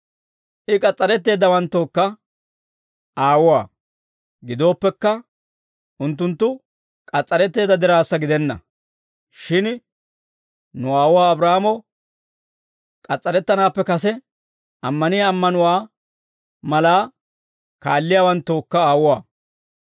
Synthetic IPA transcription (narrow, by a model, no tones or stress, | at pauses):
ʔɪkʼɐt͡sʼːɐɾɛt̪ːe̞ːd̪ɐwɐnt̪ːoːkːɐ | aːwʊwaː | ɡɪd̪o̞ːpːɛkːɐ | ʔʊnt̪̬ːʊnt̪ːʊ | kʼɐt͡sʼːɐɾɛt̪ːe̞ːd̪ɐd̪ɪɾaːsːɐɡɪd̪ɛnːɐ̰ | ʃɪn | nʊaːwʊwaːbɾaːmɔ | kʼɐt͡sʼːɐɾɛt̪ːɐnaːpːɛkɐsɛ | ʔɐmːɐnɪjaːmːɐnʊwaː | mɐlaː | kaːlːɪjaːwɐnt̪ːo̞ːkːɐaːwʊwaː